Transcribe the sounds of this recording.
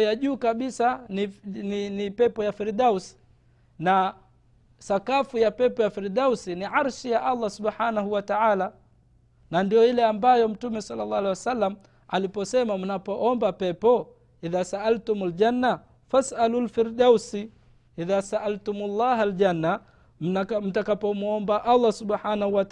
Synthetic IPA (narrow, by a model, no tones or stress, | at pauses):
jaʄuːkaɓisanininipɛpɔjafiɾdausi̥ | na | sakafujapɛpɔjafiɾɗawsiniʕaɾʃijaʔalˤːasubħanaɦuwataʕaːla | nandijɔilɛambajɔm̩tumɛsɑlːalːɑalewasalːam̩ | alipɔsɛmam̩napɔʔɔmbapɛpɔ | iðaːsaʔaltumald͡ʒanːa | fasʔalulfiɾdausi | iðasaʔaltumulˤːɑːɦald͡ʒanːa | m̩m̩takapɔmuɔmbaʔalˤːasubħanahuwat